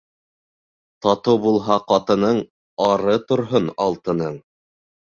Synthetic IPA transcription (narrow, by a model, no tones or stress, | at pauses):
t̪ɑt̪owbulˠɦɑqɑt̪ɤ̆nɤɴ | ɑɾɤt̪ŏɾɦonɑlˠt̪ɤ̆nɤɴ